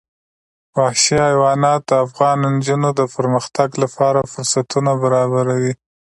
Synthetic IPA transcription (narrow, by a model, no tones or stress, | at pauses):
wahʃiɑjwɑnɑt̪afɣɑnnd͡ʒunod̪əpəɾməxt̪aɡlapʰɑɾafʊɾsat̪unabaɾɑbaɾawi